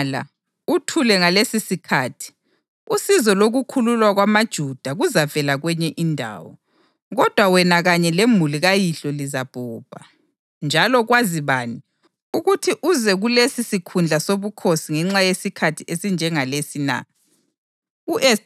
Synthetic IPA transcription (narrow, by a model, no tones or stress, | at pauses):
la̰ | utʰulɛŋalesisikʰaːtʰi̥ | usizɔloɣukʰululwaɣwamad̥ʒ̥ʱud̥ʱaɣuzavɛlaɣwɛɲɛʔindʱa̰ːwɔ̰ | ɣɔd̥ʱwawɛnaɣaɲɛlemuliɣajiɬɔlizab̥ʱuːb̥ʱa̰ | nd͡ʒʱalɔɣwaziβaːni | uɣutʰiʔuzɛɣulesisikʰund͡ɮʱasoβukʰosiŋɛŋ͡ǁajesikʰatʰiʔesind͡ʒʱɛŋalesina̰ | uʔɛ